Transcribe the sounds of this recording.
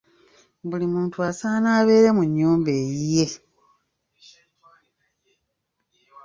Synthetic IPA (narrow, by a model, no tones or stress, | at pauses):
βulimuːntuasaːnaːβe̞ːɾe̞muɲːuːmbe̞ːjije